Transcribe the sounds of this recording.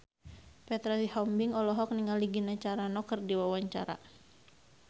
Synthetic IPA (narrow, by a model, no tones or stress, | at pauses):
pɛt̪ɾasihɔmbiŋɔlɔɦɔk̚niŋaliɡinat͡ʃaɾanɔkərdiwawaɲt͡ʃa̰ɾa̰